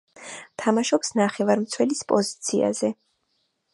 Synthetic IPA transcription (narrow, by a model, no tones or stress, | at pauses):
t̪ʰamaʃɔpsnaχɛvaɾmt̪sʰwɛlispʼɔzit̪sʰia̰zɛ